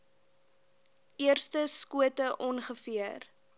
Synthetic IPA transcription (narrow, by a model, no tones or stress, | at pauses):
ʔiərstəskuətəʔɔnχəfiər